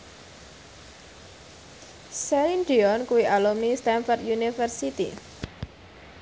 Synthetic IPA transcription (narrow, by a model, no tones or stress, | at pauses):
sɛlinɖiɔnkuwiʔalɔmnist̪ɛnfɔrt̪junifərsit̪ḭ